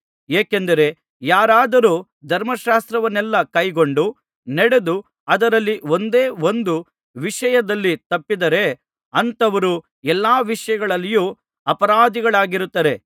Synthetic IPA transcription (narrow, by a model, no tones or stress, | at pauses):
eːkend̪ɐɾe̞ | jaːɾaːd̪ɐɾuː | d̪ʱɐɾmɐʃaːst̪ɾɐʋɐnːɛlːɐkɐjɡo̞ɳɖu | nɐɽe̞d̪u | ɐd̪ɐɾɐlːio̞nd̪eːo̞nd̪u | ʋiʂɐjɐd̪ɐlːit̪ɐpːid̪ɐɾe̞ | ɐnt̪ɐʋɐɾu | ɛlːaːʋiʂɐjɐɡɐɭɐlːijuː | ɐpɐɾaːd̪iɡɐɭaːɡiɾut̪ːɐɾe̞